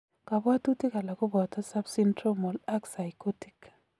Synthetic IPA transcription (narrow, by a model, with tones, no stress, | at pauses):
ka˨bwa˦tu˦ti˦ka˨la˨ko˦bɔ˨tɔ˦sa˦bsi˦ntɾo˦mɔ˨la˦ksa˨jko˦ti̥˨k